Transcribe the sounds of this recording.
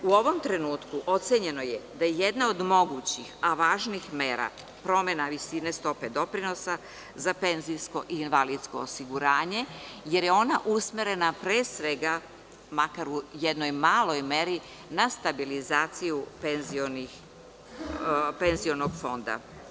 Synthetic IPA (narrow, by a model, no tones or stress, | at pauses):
uo̞ʋo̞mt̪ɾe̞nuːt̪kuʔo̞t̪seɲe̞no̞jed̪ajeje̞d̪nao̞d̪mo̞ɡut͡ɕixaʋaːʒnixmeːɾa̰ | pɾo̞me̞naʋisine̞st̪o̞pe̞d̪o̞pɾino̞sa | zape̞nzijsko̞ʔiːnʋaliːd̪sko̞ːsiɡuɾaːɲe̞je̞ɾjeo̞naʔusmeɾe̞napɾeːsʋe̞ɡa | makaɾujed̪no̞jmaːlˠo̞jme̞ɾi | nast̪abilizaːt̪sijupenzionix | pe̞nzio̞noɡfo̞nd̪a̰